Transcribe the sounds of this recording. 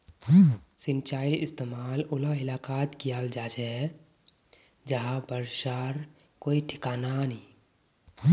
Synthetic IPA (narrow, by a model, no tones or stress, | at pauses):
sɪnt͡ʃaːɪlɪst̪emaːlʊlaɪlaːkaːt̪kijald͡ʒat͡ʃɛ | d͡ʒəɦãbəɾʃaɾkoːiʈʰɪ̥kaːnani